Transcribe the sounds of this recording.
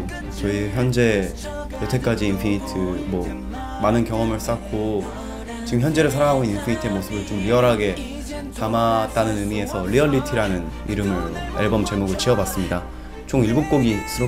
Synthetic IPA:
t͡ɕʌiçjʌnd͡ʑe̞ | totʰe̞k͈ad͡ʑiːnpʰiɲitʰɯmwʌ | manɯnkjʌŋʌmɯɭs͈ak͈o | t͡ɕiɡɯmçjʌnd͡ʑe̞ɾɯɭsʰaɾaŋɦaɡoininpʰiɲitʰɯe̞mosʰɯbɯnt͡ɕomɾiʌɾɦaɡe̞ | tamat̚t͈anɯnɯmie̞sʰʌɭiʌɭːitʰiɾanɯn | ḭɾɯmɯɭḛɭbʌmt͡ɕe̞muɡɯɭt͡ɕiʌbwas͈ɯmɲida | t͡ɕoŋiɭbok͈oɡisʰɯɾo

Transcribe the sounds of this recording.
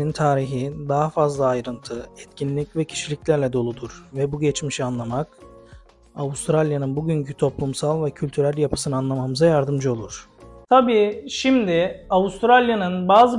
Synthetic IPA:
int̪ʰaːɾiɦid̪aɦafazlˠaːjɾɯnt̪ʰɯɛt̪cʰinlʲːicvɛcʰi̥ʃilʲiclʲæɾlʲɛd̪o̞lˠud̪uɾvɛbuɟɛt͡ʃmiʃianlˠamak | aust̪ɾalʲjanɯnbuɟyɲcʰyt̪ʰo̞plˠumsalˠvɛcʰylʲt̪ʰyɾælʲjapʰɯ̥sɯnɯanlˠamamɯzajaɾd̪ɯmd͡ʒɯo̞lˠuɾ̥t̪ʰabiːʃimd̪ɪaust̪ɾalʲjanɯnbaːzɯ

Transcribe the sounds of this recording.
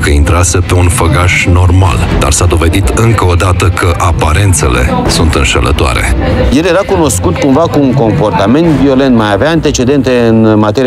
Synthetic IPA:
kəint̪ɾase̞pe̞unfəɡaʃno̞rma̰ld̪a̰rsad̪o̞ve̞d̪it̪ɨŋkəod̪at̪əkʰəʔapaɾe̞nt̪se̞le̞̰sunt̪ɨnʃə̰lʔə̰t̪oa̰ɾe̞̰jelje̞ɾakuno̞skut̪kumvakuːŋko̞mpo̞rt̪ame̞nt̪vio̞le̞nt̪majaveaant̪e̞t͡ʃe̞d̪e̞nt̪e̞ɨnmat̪e̞ɾi

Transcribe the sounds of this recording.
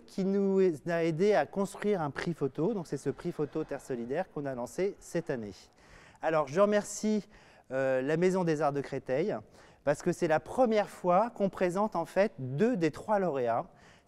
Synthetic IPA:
kʲʰinuzaed̪eakɔ̃st̪χɥiʁɛ̃pχifot̪od̪ɔ̃ksɛsəpχifot̪ot̪ɛʁsɔlid̪ɛʁkɔ̃nalɑ̃sesɛt̪ane | alɔʁʒəʁəmɛʁsi | ølamezɔ̃d̪ezaʁd̪əkχet̪ɛj | paʁsə̥kəsɛlapχəmjɛʁfwakɔ̃pχezɑ̃t̪ɑ̃fɛt̪d̪ød̪et̪χwalɔʁea

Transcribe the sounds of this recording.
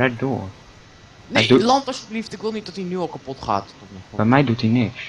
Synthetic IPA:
ɛdoːr | nɛdulɑntɔsəbliftɪkʋɪlˠnit̚dɔtinyɔlˠkapɔtχa̰ːttɔtnɔbɛjmɛjdutinɪks

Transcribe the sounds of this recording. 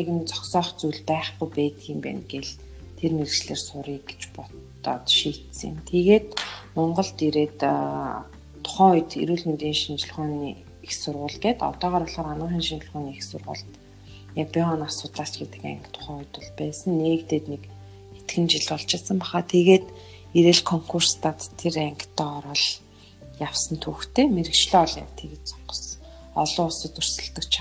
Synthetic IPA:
eɣɘ̆nt͡sɔ̥ksɔːχt͡sujɮpæːχɡujpæːt̪ʰiːmpæ̰ːnɡeɮ | t̪ʰerneɮɘ̆t͡ɕɮeːrsʊɾiːkɡe̥t͡ɕpɔt̪ɔ̰ːt̪ʃiːt̪sə̆ŋɪ̰mt̪ʰeɣeːt̪mɔɴɢɞ̆ɮt̪iɾeːt̪ | ʊ̥χæːʊjt̪ḭɾuːɮment̪iːnʃint͡ɕ̆ɮχɔːni | ixsʊrʁʊːɮɡeːt̪ɔ̰t̪ɔːʁaːɾɔɮχɔːɾanʊːχinʃint͡ɕɪ̆ɮχʊːniːixsʊrʁʊ̰ːɮt̪ | japiɔnarsʊt̪ɮaːt͡ɕɡet̪ɘ̆kæ̰ŋkt̪ʰʊ̥χæʊjt̪ʊɮpæːsə̆nːeːkt̪eːt̪nek | et̪ɡɘ̆nt͡ɕiɮɔɮt͡ɕɪsə̆mpaχaːt̪ʰeɣeːt̪ | iɾĕɮkʰɔŋkʰur̥st̪aːt̪ʰːeɾæŋkt̪ɔːɔɾɔ̆ɮ | jawsə̆nt̪ʰuːxt̪ʰeːmeɾɘ̆kt͡ɕɮœːɔɮa̰wt̪ʰeɣɘ̆t͡sɔ̥qə̥̆s | ɔɮʊːɔsɞ̆t̪ɵr̥sɘ̆ɮt̪ə̆kt͡ɕʰa

